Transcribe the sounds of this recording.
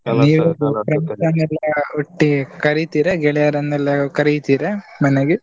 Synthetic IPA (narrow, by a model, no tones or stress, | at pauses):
niːʋupɾɐmt̪ɐnɛlːɐuʈːikɐɾit̪iːɾeɡɛɭɛjaɾɐnːɛlːɐkɐɾit̪iːɾemɐneɡe